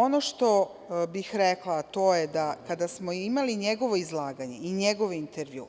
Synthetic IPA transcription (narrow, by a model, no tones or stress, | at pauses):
o̞noʃt̪o̞ | bixɾeklˠat̪o̞ːjed̪akad̪asmoimaliɲeɡo̞ʋo̞izlˠaːɡaɲe̞iɲeɡo̞ʋeint̪eɾʋjṵː